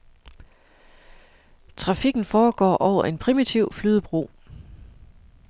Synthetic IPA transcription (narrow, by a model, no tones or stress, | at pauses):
t͡sʰʁɑ̈fiɡ̥n̩fɒːɡ̥ɒ̰ːʔɒʊ̰ɐʔe̝npʰʁimit͡sʰiʊflyːð̞ˠəb̥ʁo̝̰ː